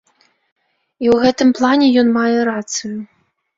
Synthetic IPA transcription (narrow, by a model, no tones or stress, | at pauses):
iwɣɛt̪ɨmplˠanʲɛjɔnmajɛɾat̪sɨju